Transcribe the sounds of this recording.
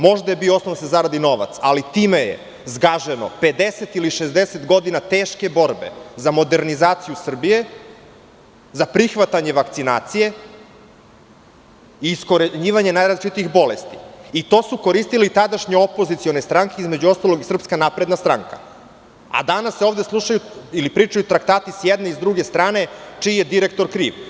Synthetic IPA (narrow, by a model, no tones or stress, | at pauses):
mo̞ʒd̪ajebijoosnond̪asezaɾad̪ino̞ʋa̰t̪salit̪imejḛ | zɡaʒeno̰pe̞d̪eset̪iliʃezd̪eset̪ɡo̞d̪inat̪eːʃke̞bo̞ɾbe̞̰zamo̞d̪e̞ɾnizaːt̪sijusr̩bije̞ | zapɾixʋat̪aɲe̞ʋakt̪sinaːt̪sije̞ | iːsko̞ɾeɲiːʋaɲe̞najɾazlit͡ʃit̪ixbo̞lest̪i̥it̪o̞ːsuko̞ɾist̪ilit̪ad̪aʃɲeo̞po̞zit̪sio̞ne̞st̪ɾaŋke̞izmed͡ʑuo̞st̪alˠo̞ɡisr̩pskanapɾe̞d̪nast̪ɾa̰ŋka̰ | a̰d̪anasːeo̞ːvd̪e̞slˠuʃajuilipɾiːt͡ʂajut̪ɾakt̪aːt̪isjed̪neizd̪ɾuɡe̞st̪ɾaːne̞t͡ʃiːjed̪iɾe̞k̚t̪o̞ɾkɾḭːʋ